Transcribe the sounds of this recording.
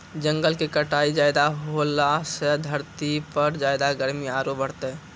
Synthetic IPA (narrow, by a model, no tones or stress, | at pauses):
d͡ʒə̃ŋɡəlkekəʈaid͡ʒajd̪aɦolasəd̪ʱəɾt̪ipəɾd͡ʒaːɪd̪aɡəɾmiaːɾobəɽt̪ɛ